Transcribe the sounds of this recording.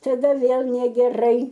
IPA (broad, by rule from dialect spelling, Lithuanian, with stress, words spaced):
tɐˈdɐ ˈʋʲeːlˠ nʲɛɡʲɛˈrɐɪ